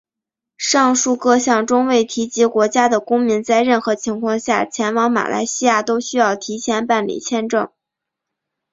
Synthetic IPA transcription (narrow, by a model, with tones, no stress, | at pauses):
ʂɑ˥˧ŋʂu˥˧kɤ˥˧ɕjɑ˥˩ŋʈ͡ʂʊ˥ŋwe˥˩ɪt̪ʰi˧˥t͡ɕi˧˥kwɔ˧˥t͡ɕja˥d̪ə˨kʊ˥ŋmi˧˥nt͡sa˥˧ɪɻə˥˩nxɤ˧˥t͡ɕʰi˧˥ŋkʰwɑ˥˧ŋɕja˥˩t͡ɕʰjɛ˧˥nwɑ˧˥ŋma̰˨˩la̰˧˥ɪɕi˥ja˥˩t̪o˥ʊɕy˥jɑ˥˩ʊt̪ʰi˧˥t͡ɕʰjɛ˧˥npa˥˩nlḭ˨˩t͡ɕʰjɛ˥˧nʈ͡ʂɤ˥˩ŋ